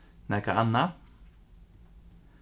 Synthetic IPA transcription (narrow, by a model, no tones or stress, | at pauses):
nakaʔanːa